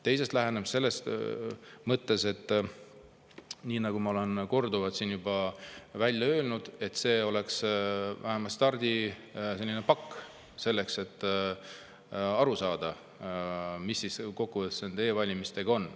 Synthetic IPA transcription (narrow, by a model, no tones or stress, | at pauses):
t̪e̞jse̞st̪læɦe̞nemse̞lːe̞st̪ | mɤt̪ːe̞se̞t̪ːˑ | niːnɑɡ̥umɑo̞le̞nko̞rd̪uvɑt̪siːnjubɑvælʲjɑø̞ːlnud̪̥e̞t̪se̞ːo̞le̞ksvæɦemɑlt̪st̪ɑrd̪̥ʲise̞lːinepɑkː | se̞lːe̞kse̞t̪ː | ɑɾusɑːd̪ɑ | misːisko̞kːuvɤt̪sent̪e̞jevɑlʲimist̪e̞ɡ̥ɑo̞nː